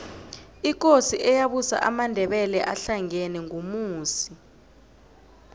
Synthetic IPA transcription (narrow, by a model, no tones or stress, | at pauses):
ik̬ʼosiʔɛjaɓusa̰ʔamandʱɛɓɛlɛʔaɬaŋɛnɛŋomuːsi̥